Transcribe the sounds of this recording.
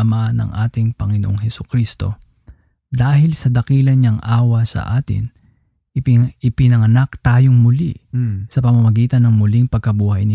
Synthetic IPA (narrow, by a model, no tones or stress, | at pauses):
manɐ̰ŋʔaːt̪ɪŋpɐŋɪnoʔoŋɦhɛsukɾist̪o̞̰ | d̪aːɦɪlsɐd̪ɐkiːlɐnɲɐŋʔaːwɐsɐ̰ʔaːt̪ɪ̰n | ɪpɪnɐŋɐnak̚t̪aːjoŋmʊlḭsɐpɐmɐmɐɡiːt̪ɐnːɐŋmʊliŋpɐɡ̚kɐbuːhɐjnɪ